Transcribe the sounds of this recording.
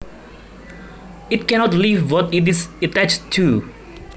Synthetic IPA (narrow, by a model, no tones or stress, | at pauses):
it̚kɛnɔtlivwɔtit̬isətat͡ʃtʰːu